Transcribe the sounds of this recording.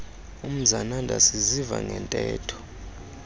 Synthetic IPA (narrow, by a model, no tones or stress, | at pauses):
um̩zanandʱasiziva̰ŋɡʱɛntʼɛːtʰɔ̥